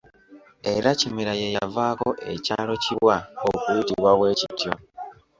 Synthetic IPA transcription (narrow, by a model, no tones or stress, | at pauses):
e̞ɾacimiɾaje̞javaːko̞ʔe̞̰caːlo̞ciβwaokuitiβwawe̞ːcitjo̞